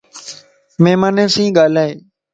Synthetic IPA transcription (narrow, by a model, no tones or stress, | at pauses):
meːmaːneːsĩːɠaːl̤aːeː